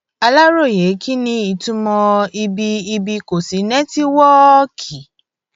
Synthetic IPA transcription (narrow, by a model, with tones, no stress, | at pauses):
a˧la˦ɾo˦˨je˨˦ki˦nĩ˧i˨tũ˦mɔ̃˧i˧bi˧i˧bi˧ko˨si˨˦nɛ̃˦ti˦wɔ˦kʰi˨